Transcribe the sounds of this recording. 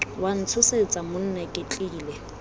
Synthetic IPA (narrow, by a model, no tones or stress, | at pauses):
wan̩t͡sʰʊset͡sʼamʊn̩nakʼɪt͡ɬʼiːlɛ